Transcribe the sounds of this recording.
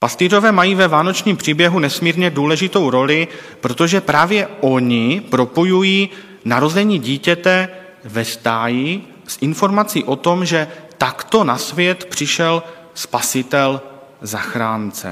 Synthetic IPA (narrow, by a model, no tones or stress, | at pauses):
past̪iːro̞vɛːmajiːvɛvaːno̞t͡ʃɲiːmpr̥iːbjɛɦunɛsmiːɾɲɛduːlɛʒɪt̪o̞wɾo̞lɪpɾo̞t̪o̞ʒɛpɾaːvjɛʔo̞ɲɪpɾo̞po̞jujiː | naɾo̞zɛɲiːɟiːcɛt̪ɛ | vɛst̪aːjɪ | sʔɪnfo̞ɾmat͡siːʔo̞t̪o̞mʒɛt̪akt̪o̞nasvjɛt̪pr̥ɪʃɛl | spasɪt̪ɛl | zaxɾaːnt͡sɛ̰